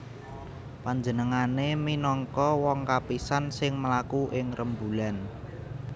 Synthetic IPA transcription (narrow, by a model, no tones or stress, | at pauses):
paɲd͡ʒənəŋaneminɔŋkɔwɔŋkapisansɪŋməlakuʔɪŋrʔəmbulan